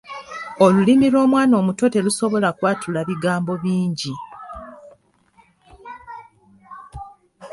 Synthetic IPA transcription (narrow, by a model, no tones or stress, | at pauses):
o̞lulimiɾo̞ːmwaːno̞ːmuto̞te̞luso̞βo̞lakwaːtʰulaβiɡaːmbo̞βiːɲɟi